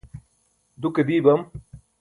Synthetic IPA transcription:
d̪uked̪iːbɐm

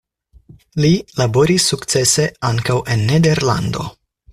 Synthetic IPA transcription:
lilabo̞ɾisːukt͡se̞se̞aŋkawʔe̞nːede̞ɾla̰nd̪o̞̰

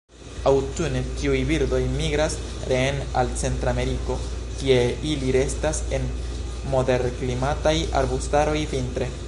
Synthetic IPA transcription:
awtunetiujbiɾdo̞jmiɡɾas | ɾena̰lt͡se̞ntɾame̞ɾiko̞ | kie̞iliɾe̞stase̞n | mo̞de̞ɾklimataja̰ɾbustaɾo̞jvintɾe̞

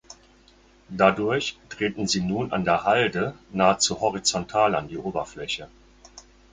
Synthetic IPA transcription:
d̥adʊɐçd̥ʁ̥eːtn̩ziːnuːna̰ndeːɐhaldənaːət͡suhɔʁit͡sɔntʰaːla̰ndiːʔoːbɐflɛçə

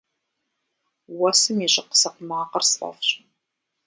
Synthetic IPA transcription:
wɐsɨmjɪɕʼɪqə̥sɐqmaːqɐrsʔɐ̰fɕʼ

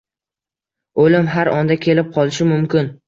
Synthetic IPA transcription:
olɪmɦaɾɒnd̪akʲʰe̞lɪp̚qʰɒlˠɪʃɪmʊmkʲɪn

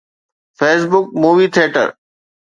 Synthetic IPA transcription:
feːs̬bʊk̚muːʋiːt̪ʰeːʈə̰ɾ

